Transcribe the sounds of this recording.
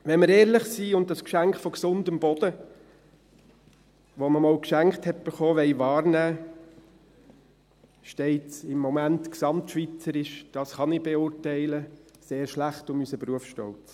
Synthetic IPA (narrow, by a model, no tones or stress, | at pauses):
ʋɛnməɾɛːɾlɪχsiːʊnt̚dɑskʃæŋkχfɔksʊndəmbɔd̥ə | ʋoməmɑʊkʃæŋkχthɛt̚b̥əχɔːʋɛɪʋɑːɾnæː | ʃtɛɪtsɪmːɔmæntksɑmtʃʋit͡səɾɪʃd̥ɑsχɑnɪb̥eʊɾtɛɪləseːɾʃlæχtʊmysəpɾuəfʃtɔlt͡s